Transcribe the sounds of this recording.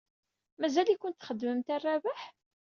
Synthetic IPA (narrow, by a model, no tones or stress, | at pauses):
mæzælikʷʊnt̪θχəd̪ːməmt̪ærˤːavaħ